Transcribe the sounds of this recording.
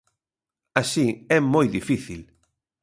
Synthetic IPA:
aʃiɛmojðifiθil

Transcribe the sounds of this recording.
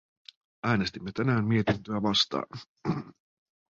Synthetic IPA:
ʔæːne̞st̪imːe̞t̪ænæːmmie̞t̪int̪øæʋɑst̪ɑ̰ːn

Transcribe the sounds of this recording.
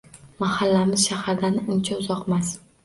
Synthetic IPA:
mahalːamɪz̥ʃahaɾd̪anʊnt͡ʃʰaʊzɒqmas

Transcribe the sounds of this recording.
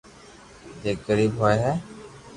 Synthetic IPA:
d͡ʒeːk̚ɡəɾiːbɦoːjɦɛː

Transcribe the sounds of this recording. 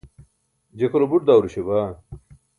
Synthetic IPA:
d͡ʑekɾobuʈ̚d̪awɾuɕeba

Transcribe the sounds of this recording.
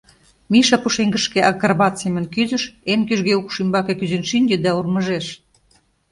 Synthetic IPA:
miʃɑpuʃeŋɡə̆ʃkeʔɑkɡɑrβɑt̪semə̆nkyzə̆ʃenkyʒɣeukʃymbɑkekyzenʃinʲd͡ʑĕd̪ɑurmə̆ʒeʃ

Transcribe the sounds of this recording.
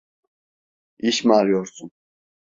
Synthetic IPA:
iʃmaːɾjɔɾt͡sʼum

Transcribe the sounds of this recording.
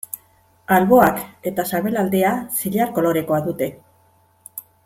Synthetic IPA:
alβo̞ake̞t̪asaβe̞lald̪e̞asiʎaɾko̞lo̞ɾe̞ko̞aðut̪e̞

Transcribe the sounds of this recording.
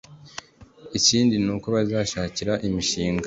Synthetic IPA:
iciːndinuːko̞βazaːʃaːciɾaʔimiʃiːŋɡa

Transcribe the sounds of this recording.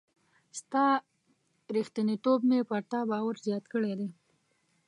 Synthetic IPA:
st̪ɑ | ɾixt̪anit̪obmepaɾt̪ɑbɑwaɾzjɑt̪kəɽed̪e

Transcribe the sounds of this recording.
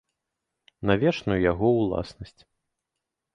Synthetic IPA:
navʲɛʂnujjaɣɔwlˠa̰snɐsʲt͡sʲ

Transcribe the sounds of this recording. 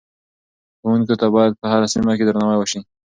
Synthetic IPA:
xowuŋkot̪abɑjad̪̚pəhaɾasimaked̪ɾnɑwajwaʃi

